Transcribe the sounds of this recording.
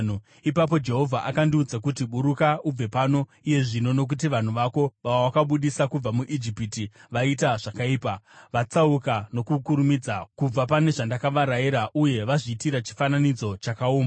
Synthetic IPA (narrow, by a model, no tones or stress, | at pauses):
ipap̬o̞d͡ʒe̞ɦo̞vʱaʔakandiud͡zakut̬iɓuɾukaub͡ve̞pano̞ | ije̞ʐino̞no̞k̬ut̬iʋan̤uʋako̞ʋaʋoʋakaɓuɗisakub͡vamuʔid͡ʒipitiʋaitaʐ̥akaiːpaʋat͡saukano̞kukuɾumid͡zakub͡vapane̞ʐandakaʋaɾaiɾaʔuje̞ʋaʐitiɾat͡ʃi̥fananid͡zo̞t͡ʃakaoːmba